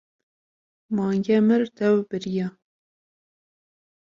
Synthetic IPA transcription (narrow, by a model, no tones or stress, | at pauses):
mɑːŋɡʲɛmɨɾt̪ɛwb̥ɨɾijɑ